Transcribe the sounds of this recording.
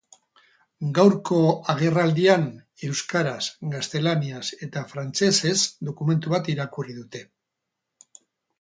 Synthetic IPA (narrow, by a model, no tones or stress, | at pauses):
ɡawɾko̞aɣ̞e̞rald̪ian | e̞wskaɾasɡast̪e̞laniase̞t̪afɾant͡se̞se̞zd̪o̞kume̞nt̪uβat̪iɾakuriðut̪e̞